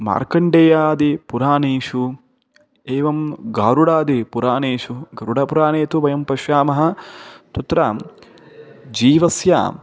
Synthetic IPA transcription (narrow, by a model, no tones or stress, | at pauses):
ma̰ːɾkɐɳɖeːjaːd̪ipuɾaːneːʂu | eːʋɐmɡaːɾuɽaːd̪ipuɾaːneːʃuɡɐɾuɽɐpuɾaːneːt̪uʋɐjɐmpɐʃjaːmɐɦɐ̆t̪ut̪ɾaː | d͡ʒiːʋɐsja̰ː